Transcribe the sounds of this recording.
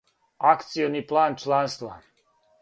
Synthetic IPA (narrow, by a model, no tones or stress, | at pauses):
akt̪sijoniplaːnt͡ʃlˠaːnst̪ʋa̰